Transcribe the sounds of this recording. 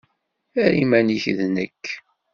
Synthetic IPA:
æɾimæniçðnəkː

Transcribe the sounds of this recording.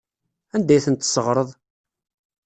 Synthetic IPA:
ænd̪æjθənt̪ːsəʁɾˤəðˤ

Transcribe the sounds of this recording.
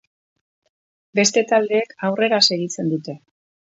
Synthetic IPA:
be̞st̪e̞t̪ald̪e̞ːkawre̞ɾase̞ɣit͡se̞nd̪ut̪e̞

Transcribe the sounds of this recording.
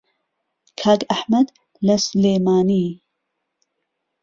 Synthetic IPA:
kʰaːɡɐħmɐd̪ | lɐsleːmaːniː

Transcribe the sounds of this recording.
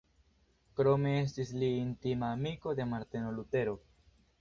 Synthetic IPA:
kɾo̞me̞es̬tisliːntimaːmiko̞d̪e̞maɾt̪eno̞lute̞ɾo̞

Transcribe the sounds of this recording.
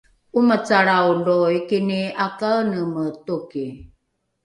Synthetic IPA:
umət͡saɾawɳdoikiniakanəmətuki

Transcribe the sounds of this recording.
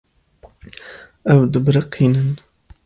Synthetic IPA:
ʔawd̪ʊbɾɑqʰinan

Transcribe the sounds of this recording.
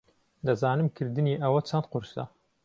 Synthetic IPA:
d̪ɐzaːnɨmkʰɨɾd̪ɨniːʔɐwɐt͡ʃʰɐnt̪̚qʊɾsɐ̰

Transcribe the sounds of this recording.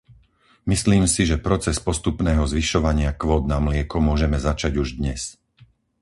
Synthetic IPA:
misliːmsiʒɛpɾɔt͡sɛspɔst̪upnɛːɦɔzʋiʃɔʋaɲɪakʋɔːd̪namlɪɛkɔmʊɔʒɛmɛzat͡ʃaɟuʒd̪ɲɛs

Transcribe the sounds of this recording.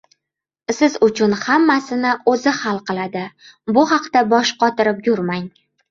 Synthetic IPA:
sɪzʊt͡ʃʰʊnhamːasɪnɪʔozɪhalˠqɨlˠad̪ɪ | bʊhɑqt̪abɒʃqɒt̪ɪɾɪp̚jʊɾmaŋ

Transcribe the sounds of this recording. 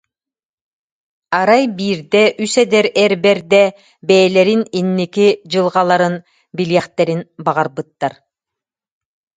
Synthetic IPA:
aɾajbiːɾd̪ɛʔysɛd̪ɛɾɛɾbɛɾd̪ɛ | bɛjɛlɛɾininːikid͡ʑɯlˠʁalˠaɾɯn | biliɛχt̪ɛɾinbaʁaɾbɯt̪ːaɾ

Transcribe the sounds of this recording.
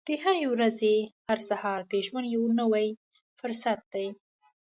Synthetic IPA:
d̪̥əhaɾewɾazehaɾsahɑɾd̪əʒmanjawnəwaj | fʊɾsat̪̚d̪aj

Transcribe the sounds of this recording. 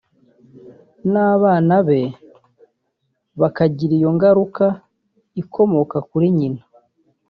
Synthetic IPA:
naːβaːnaβe̞ | βakaɟiɾijo̞ŋɡaɾuka | ikʰo̞mo̞kakuɾiɲina

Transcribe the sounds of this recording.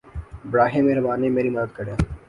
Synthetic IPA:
bɽaːɦẽːmeːɾɐbaːnẽmeːɾimɐd̪əd̪̚kɐɽãː

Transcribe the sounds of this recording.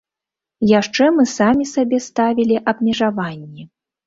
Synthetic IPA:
jaʂt͡ʂɛmɨsamʲisabʲɛst̪avʲilʲiʔɐbmʲɛʐavanʲːɛ

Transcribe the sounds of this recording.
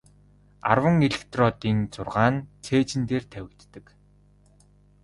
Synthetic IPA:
a̰rwə̆ŋeɮĕkt̪rɔːt̪iːnt͡sʊrʁaːnt͡sʰeːt͡ɕɪ̆nt̪eːrt̪ʰæwʲɪ̆kt̪ːə̆k

